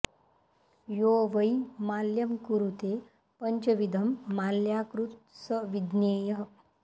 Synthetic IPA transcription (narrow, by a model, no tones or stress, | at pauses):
joʋəjmaljəmkuɾut̪e | pəɲt͡ʃəʋid̪ʱəmːaljakɾut̪̚səʋid̪neːjəɦ